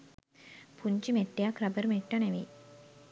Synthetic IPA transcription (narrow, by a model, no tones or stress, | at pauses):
pʰuɲt͡ʃimeʈːejakrabəɾəmeʈːaneʋḭː